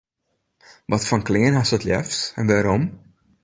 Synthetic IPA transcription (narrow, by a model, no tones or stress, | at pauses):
ʋɑtfɑnkleːnɦasɔtlɛ̰ftɛ̰nʋaɾɔm